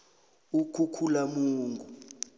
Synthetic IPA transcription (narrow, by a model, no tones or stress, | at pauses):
ukʰukʰulamuːŋɡʱu